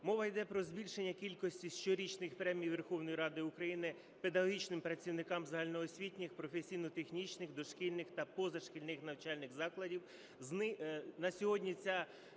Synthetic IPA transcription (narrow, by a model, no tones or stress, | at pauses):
mɔʋɐjd̪ɛpɾɔzʲbʲilʲʃenʲːɐkʲilʲkɔsʲtʲiʃt͡ʃɔɾʲit͡ʃnɪxpɾɛmʲijiʋerxɔwnɔjiɾɑd̪ɪukɾɐjinɪ | pe̞d̪ɐɦɔɦʲit͡ʃnɪmpɾɐt͡sʲiwnɪkɑmzɐɦɑlʲnɔːsʲʋʲitʲnʲɪxpɾɔfesʲijnɔt̪exnʲit͡ʃnɪxd̪ɔʃkilʲnɪxt̪ɐpɔzɐʃkʲilʲnɪxnɐwt͡ʃɑlʲnɪxzɑklˠɐdʲiw | znɪnɐsʲɔɦɔdʲnʲit͡sʲa